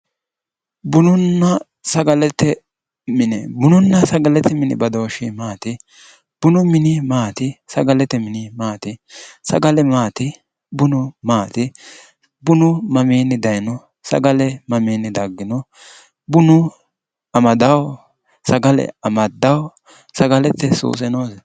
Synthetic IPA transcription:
bʊnʊnːɐ | sɐɡɐlɛt̪ɛ | mɪnɛbʊnʊnːɐsɐɡɐlɛt̪ɛmɪnɪ̰bɐd̪o̞ːʃɪmaːt̪ɪ | b̥ʊnʊmɪnɪmaːt̪ɪsɐɡɐlɛt̪ɛmɪnɪmaːt̪ɪsɐ̰ɡɐlɛmaːt̪ɪ | bʊnʊmaːt̪ɪ | bʊnʊmɐmiːnːɪd̪ɐjnɔ | sɐ̰ɡɐlɛmɐmiːnɪd̪ɐɡːɪnɔ | bʊnʊ | ɐmɐd̪ɐw | sɐɡɐlɛ̰ɐmɐd̪ːɐw | sɐɡɐlɛt̪ːɛsṵːsɛnoːs

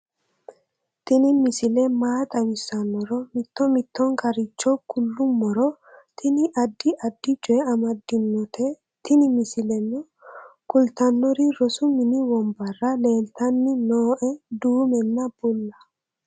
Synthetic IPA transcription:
t̪ɪnɪmɪsɪlɛmaːt̪ʼɐwɪsːɐnːɔɾɔmɪt̪ːɔmɪt̪ːɔŋkɐɾɪt͡ʃːɔkʊlːʊmːɔɾɔ | t̪ʰɪnɪʔɐd̪ːɪʔɐd̪ːɪt͡ʃʼʊɛɐmɐd̪ːɪnːɔt̪ʰɛ | t̪ɪnɪmɪsɪlɛnːɔ | kʼʊlt̪ɐnːɔɾɪɾɔsʊmɪnɪwɔmbɐrːɐle̞ːlt̪ɐnːɪnoːʔɛd̪uːmɛnːɐb̥ʊlːɐ

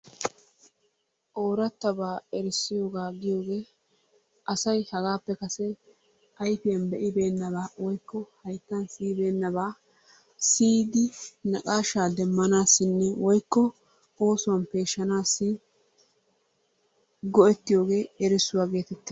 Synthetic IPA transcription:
ʔoːɾɐt̪ːɐbaːɛɾɪsːɪjo̞ːɡaːɡɪjo̞ːɡe̞ː | ʔɐsɐjhɐɡaːpːɛkɐsɛ | ɐjfɪjɐnbɛʔɪbe̞ːnːɐβaːwɔjkːɔhɐjt̪ːɐnsiːbe̞ːnːɐbaː | siːd̪ɪnɐkʼaːʃaːd̪ɛmːɐnaːsːɪnːɛwɔjkːɔ | o̞ːsʊwɐnpe̞ːʃːɐnaːsːɪ | ɡɔʔɛt̪ːɪjo̞ːɡe̞ːɛɾɪsːʊwaːɡe̞ːt̪ɛt̪ːɪ

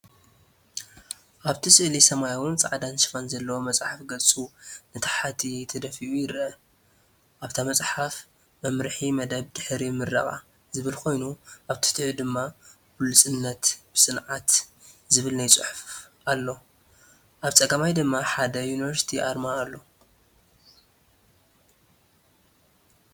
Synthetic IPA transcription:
ʔaβt̪ʰisʼɨʔlisɐmajawɨnt͡sʼa̰ʕd̪anʃɨfanzɐlːɐwomɐt͡sʼħafɡɐlt͡sʼunɨt̪ʰḁħat̪ʰit̪ʰɐd̪ɐfiʔujɪɾɐ | ʔaβt̪ʰamɐt͡sʼħaf | mɐmɾħimɐd̪ɐβd̪ɨħɾimːɨɾːɐ̰χʼa̰ | zɨβɨlkʰo̞jnuʔaβt̪ʰɨ̥t̪ʰʕid̪ɨmːa | bulɨsʼɨnːɐt̪b̥ɨsʼɨnʕat̪zɨβɨlnajt͡sʼɨħufʔalːo̞ | ʔaβt͡sʼɐɡɐmajd̪ɨmːaħad̪ɐjunivɐɾsi̥t̪ʰiʔaɾmaːlːo̞

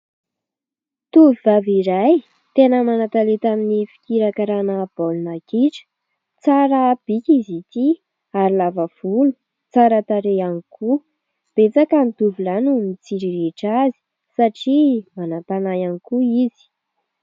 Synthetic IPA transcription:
t̪uvivaviɾaj | t̪enəmanat̪alet̪aminifi̥kʲiɾakaɾanəb̥olunakiʈ͡ʂə̥ | t͡saɾəb̥ikʲizit̪i | aɾilavav̥ulu̥ | t͡saɾət̪aɾeanikʰu | b̥et͡sakanid̪uvilanumit͡siɾiɾeʈ͡ʂazi̥ | saʈ͡ʂimanapanajanikuizi̥

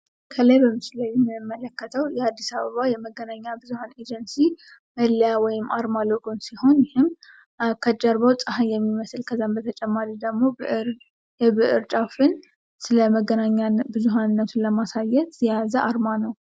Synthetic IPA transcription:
kʰələjbəmɨslajɛmːɨmːələkːət̪ʰəwjɛad̪ːisaβəβajɛməɡənaɲːabɨzuhaned͡ʒənsiː | əljawɔjɪmːaɾmaloɡonsiho̞njɪhɪm | kʰəd͡ʒəɾβəwt͡sʼəhanjɛmːiməsɨlkʰəzambət̪ʰət͡ʃʼɛmːaɾid̪əɡmo̞ | jɛβɨʔɨɾt͡ʃʼafɨn | sɨləməɡənaɲːabɨzuɦanɨnːət̪ʰunləmasajɛt̪zijazəʔaɾmanəw

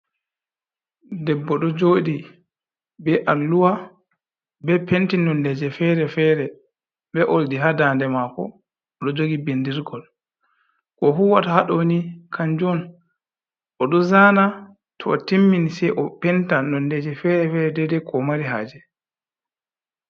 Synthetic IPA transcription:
dɛbːɔɗɔd͡ʒoːɗi | bɛʔalːuwa | bɛpentinɔndɛd͡ʒɛfɛɾɛfɛɾɛ | bɛʔoldiɦadaːndɛmakɔ̰ | ɔɗɔd͡ʒoɡibindiɾɡɔl | kɔfuwatahaɗonikʰand͡ʒɔn | ʔɔɗɔzaːna | tʰɔɔtimːinsɛjʔɔpɛntanɔndɛd͡ʒɛfɛɾɛfɛɾɛdɛdɛkʰɔmaɾiɦa̰ːd͡ʒɛ

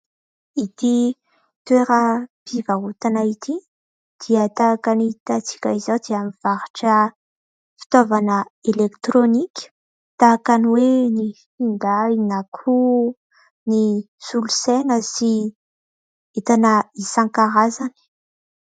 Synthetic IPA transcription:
it̪i | t̪weɾəpiɡaɦut̪anait̪i | d̪̥iət̪aːkanit̪at͡si̥kʲaizad̪iamiv̥aɾaʈ͡ʂə | fi̥t̪ovanəelekt̪ɾonikʲə̥ | t̪akaniwenifind̪ainakʰu | ni | sulusenəsi | et̪anəisaŋkaɾazani̥

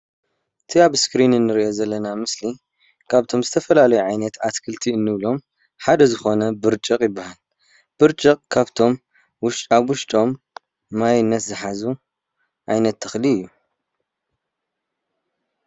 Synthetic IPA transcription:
ɨt̪ʰiaβskɾinɨnːɨɾiʔo̞zɐlːɐnamɨsli | kʰaβt̪ʰo̞mzɨt̪ʰɐfɐlalɐjuʕajnɐt̪at̪kʰɨlt̪ʰiɨnːɨβlo̞m | ħad̪ɐzɨxo̞nɐbɨɾt͡ʃʼɨqʼjɪbːahal | b̥ɨɾt͡ʃʼɨqʼkʰaβt̪ʰo̞m | wʊʃʼaβwʊʃt̪ʼo̞mː | ajɪnːɐt̪zɨħazu | ʕa̰jnɐt̪ʰːɐxliɨjːu

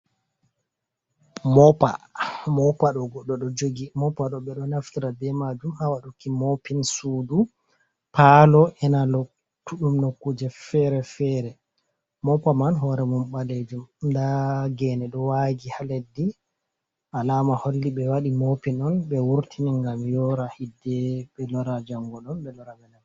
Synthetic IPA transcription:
mɔpa̰mɔpaɗɔɡɔɗːɔɗɔd͡ʒoɡimɔpaɗɔɓɛɗɔnaftiɾabɛmad͡ʒumhawaɗukimopinsuːdu | palɔʔɛnalo | tːuɗumnokːud͡ʒɛfɛɾɛfɛɾɛ | mɔpamanɦɔɾɛmumɓaled͡ʒumdaɡɛnɛɗɔwaɡihaledːi | ʔalamaholːiɓɛwaɗimopinɔnɓɛwuɾtʰimiŋɡamjɔɾahidːɛɓɛlɔɾad͡ʒaŋɡɔɗɔnɓɛlɔɾamɛnɛn

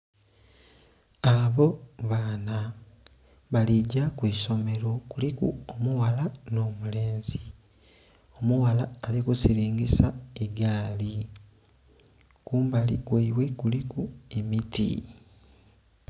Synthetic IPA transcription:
aβo̞βaːna | βaliɟakwiːʃo̞me̞ɾo̞kulikṵomuwalano̞ːmule̞ːnzi | o̞muwalaːlikusiɾiːŋɡisaeɡaːli | kuːmbalikweiwe̞kulikuemitḭ

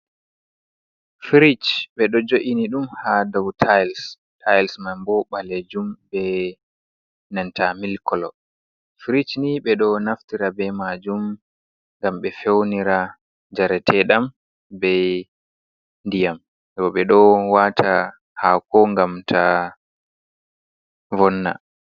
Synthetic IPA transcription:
fiɾit͡ʃɓɛɗɔd͡ʒoʔiniɗumhadawtʰajls | tʰajlsmajmbɔɓaled͡ʒumbɛ | nantamilkɔlɔ̰ | fiɾit͡ʃniɓɛɗɔnaftiɾabɛmad͡ʒum | ŋɡamɓɛfewniɾa | d͡ʒaɾɛtʰɛɗam | bɛ | ndijam | ɛwɔɓɛɗɔwatʰa | hakɔŋɡamtʰa | vɔnːa̰

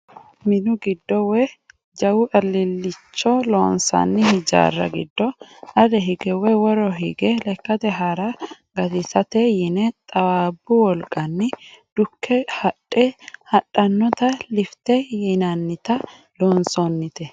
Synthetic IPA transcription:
mɪnʊɡɪd̪ːɔwɛ | d͡ʒɐwʊʔɐlːɪlːɪt͡ʃːɔloːnsɐ̰nːɪhɪd͡ʒa̰ːrːɐ̰ɡɪ̰d̪ːɔʔɐd̪ɛɦɪɡɛwɛwɔɾɔɦɪɡɛlɛkːɐt̪ɛɦaɾɐ | ɡɐd̪ɪsɐt̪ɛjɪnɛt̪ʼɐwaːbːʊwɔlkʼːɐnːɪd̪̥ʊkʰːɛhɐᶑʼːɛhɐɗːɐnːɔt̪ɐlɪft̪ɛjɪnɐnːɪt̪ɐ | loːnsonːɪt̪ɛ

